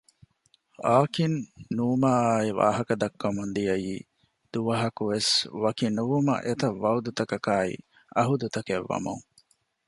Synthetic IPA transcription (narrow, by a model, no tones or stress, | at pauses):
aːkinːuːmaːiʋa̰ːɦɐkɐd̪ɐkːɐmund̪ijɐjiː | d̪̥uʋɐɦɐkuʋesʋɐkinuʋumɐ̰ʔet̪ɐʋːɐud̪ut̪ɐkɐkaːḭ | ɐɦud̪ut̪ɐkeʋːɐ̰mṵŋ